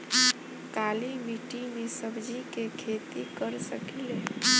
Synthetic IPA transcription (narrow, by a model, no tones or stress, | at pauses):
kalimiʈimesəbd͡ʒikekʰet̪ikəɾsəkile